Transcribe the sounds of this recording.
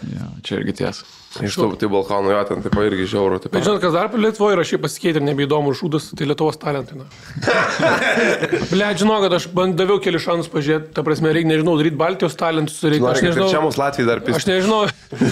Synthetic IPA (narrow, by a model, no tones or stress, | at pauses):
jo̰ːt͡ʃʲɛɪ̰ɾʲɡʲɪt̪ʲḛːs | ɐɪʃt̪ot̪ɐɪbɐlˠkɑːnoːjoːt̪ʲɛnt̪ɐɪpɐɪɾʲɡʲɪʒʲɛʊɾoːt̪ɐɪpbʲɛt̪ʒɪnoːt̪kɐsd̪ɐrplʲɛt̪ʊʋoːjɪɾɐʃʲɛɪpɐsʲɪ̥kʲɛɪt̪ʲɪɾnʲɛbʲɛid̪oːmʊʒuːd̪ɐst̪ɐɪlʲiɛt̪ʊʋoːst̪ɑːlʲɛnt̪ɐɪnɐ | bʲlʲæːt̪ʒʲɪnoːkɐt̪ɐʃbɐnd̪d̪ɐʋʲɛʊkʲɛlʲɪsʃɑːnʊspɐʒʲʊɾʲeːt̪̚ʲt̪ɐpɾɐsʲmʲɛɾʲɛɪknʲɛʒʲɪnɐʊd̪ɐɾiːt̪̚ʲbɑlʲt̪ʲɪjoːst̪ɑːlʲɛnt̪ʊ̥sɾɪknːnɛʒɪnʊʒʲæːmoːslˠɑːt̪ʲʋʲijɪd̪ɐrpʲɪɐʃnʲɛʒʲɪnɐʊ